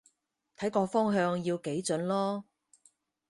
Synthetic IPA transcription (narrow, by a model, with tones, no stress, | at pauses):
t̪ʰɐ˨˥jkɔː˧fɔː˥ŋɦœː˧ŋjiː˧wke˨˥jt͡sɵ˨˥nlɔː˥